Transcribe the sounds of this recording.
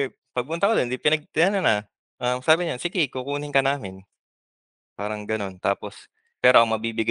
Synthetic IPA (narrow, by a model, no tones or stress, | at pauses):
ɛ | pɐɡ̚pʊnt̪ɐkod̪ond̪ɪpɪnɐɡ̚t̪ɪnɐnɐnɐ | ʔɐmsaːbɪɲansiɡɪkukuːnɪŋkɐnaːmɪn | paːɾɐŋɡɐno̞nt̪aːpo̞s | pɛːɾoɐkomɐbiːbɪɡ